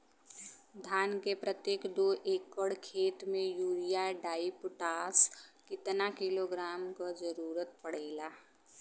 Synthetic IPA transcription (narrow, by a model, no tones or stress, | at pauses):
d̪ʱaːnkepɾət̪jeːkd̪oːʔeːkːəɽkʰeːt̪mẽjuːɾijaɖaːipʊʈaːskɪt̪nakɪloɡɾaːmkod͡ʒəɾuːɾət̪̚pəɽ̤eːlaː